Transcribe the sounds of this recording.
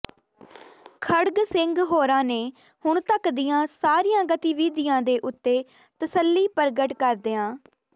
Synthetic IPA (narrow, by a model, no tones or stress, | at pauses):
kʰəɽɡsɪŋɡɦoːɾãːneː | hʊɳ̃t̪əkd̪ɪjãːsaːɾiːãːɡət̪iːʋiːd̪ɪjãːd̪eːʔʊt̪ːeː | t̪əsəlːiːpəɾɡəʈkəɾd̪eːãː